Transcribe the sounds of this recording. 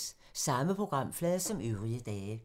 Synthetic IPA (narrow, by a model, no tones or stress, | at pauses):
s | sɑ̈məpʰʁo̝ɡ̥ʁɑ̈m̰flɛðˠsɒ̽møʊʁiəd̥ɛː